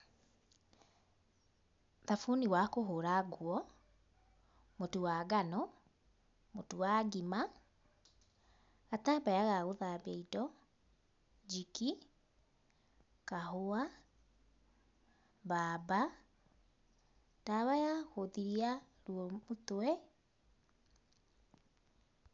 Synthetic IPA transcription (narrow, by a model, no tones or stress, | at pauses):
ðafuniwakoɦoɾaɡwɔ | motuwaːɡanɔ | motuwaɡima | ɣatabajaɣaɣoðabeidɔ | d͡ʒiki | kahoa | baːba | taβajahoðiɾia | ɾwɔmotoɛ